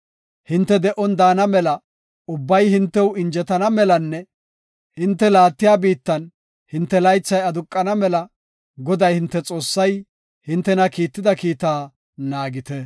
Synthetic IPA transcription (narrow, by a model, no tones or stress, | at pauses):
hɪnt̪ːɛd̪ɛʔɔnd̪aːnɐmɛlɐ | ʊbːɐjhɪnt̪ːɛwɪnd͡ʒɛt̪ɐnɐmɛlɐnːɛ | hɪnt̪ːɛlaːt̪ːɪjaːbiːt̪ːɐn | hɪnt̪ːɛlɐjt͡sːɐjɐd̪ʊkʼːɐnɐmɛlɐ | ɡɔd̪ɐjhɪnt̪ːɛt͡sʼo̞ːsːɐj | hɪnt̪ːɛnɐkiːt̪ːɪd̪ɐkiːt̪aː | naːɡɪt̪ɛ